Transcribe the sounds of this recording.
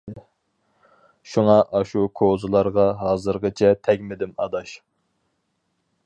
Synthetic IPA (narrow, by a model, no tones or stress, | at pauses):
ʃuŋɑʔɑʃukʰozɨlˠɑɾʁɑɦɑːzɨɾʁət͡ʃʰɛt̪ʰɛkʲmɪd̪ɪmɑ̰d̪ɑʃ